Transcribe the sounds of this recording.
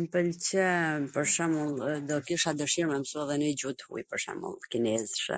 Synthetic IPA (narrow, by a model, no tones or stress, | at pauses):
mpəlt͡ɕəpəɾʃɛmulˠd̪ɔkiʃad̪əʃiɾmɛmsuɛðɛnəd͡ʑut̪hṵjpəɾʃɛ̰mṵlˠkinɛzʃɛ̰